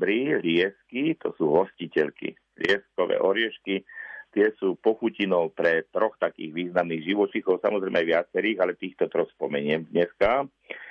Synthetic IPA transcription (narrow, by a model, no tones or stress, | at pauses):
bɾilɪɛskit̪ɔ̰suːɦɔscicɛʎkḭ | lɪɛskɔʋɛ̰ːʔɔɾɪɛʃkit̪ɪɛsuːpɔxucinɔʊpɾɛt̪ɾɔxt̪akḭːɣʋiːznamniːɣʒiʋɔt͡ʃixɔʊsa̰mɔzɾɛɪmɛajʋɪat͡sɛɾiːɣalɛt̪iːxt̪ɔt̪ɾɔxspɔmɛɲɪɛmd̪ɲɛska